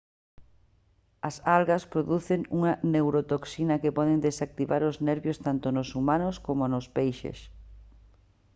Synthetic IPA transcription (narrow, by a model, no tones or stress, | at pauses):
ɐsalɣɐspɾoðuθeŋuŋɐnewɾot̪oksinɐkepɔðend̪esak̚t̪iβaɾʊznɛɾβjost̪ant̪onosumanʊskomonʊspejʃḛs